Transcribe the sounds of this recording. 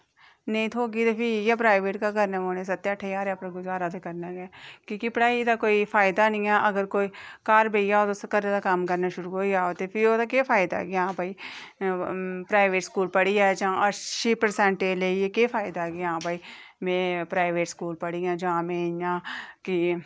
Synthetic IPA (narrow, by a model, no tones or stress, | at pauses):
neĩːt̪ʰoːɡiːt̪eːpʰɪjaːpɾaːɪʋeːʈkaːkəɾneːmoːneːs̬ət̪ːʈʰːeːaːɾaːpɾẽɡʊd͡ʒaːɾaːd̪ekəɾnaːɡɛːkĩːkɪpəɽaːid̪aːkoːiːpʰaːɪd̪aːnɪ̃ːãːʔəɡəɾkoːiːkaːɾbeːijaːoːt̪ʊskəɾẽːd̪aːkəmkəɾnaːʃʊɾuːɦoːiaːoːt̪eːpʰɪɾoːd̪aːk̬eːpʰaːɪd̪a̰ːɡeãːbʱaːiː | pɾaːɪʋeːʈskuːlpəɽiːɛːd͡ʒãːʔəʃiːpəɾsɛ̃ɳʈeːleieːkeːpʰaːɪd̪aːɡeãːbaːiː | mẽːpɾaːɪʋeːʈskuːlpəɽiːjãːd͡ʒãːmẽːjãːkɪ